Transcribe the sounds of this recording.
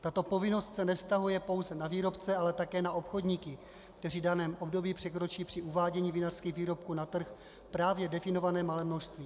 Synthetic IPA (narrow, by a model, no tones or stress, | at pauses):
t̪at̪o̞po̞vɪno̞st̪sɛnɛfst̪aɦujɛpo̞wzɛnaviːɾo̞pt͡sɛalɛt̪akɛːnaʔopxo̞dɲiːkɪ | k̚t̪ɛr̝iːdanɛːmʔo̞bdo̞biːpr̝̥ɛkɾo̞t͡ʃiːpr̥ɪʔuvaːɟɛɲiːvɪnar̥skiːɣviːɾo̞p̚kuːnat̪r̩x | pɾaːvjɛdɛfɪno̞vanɛːmalɛːmno̞ʃst̪viː